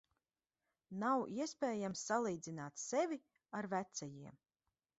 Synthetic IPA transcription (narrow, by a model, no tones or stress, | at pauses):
nawiɛspɛːjamsːalˠiːd̪zinaːt̪sɛvʲi | aɾvæt̪sɛjiɛm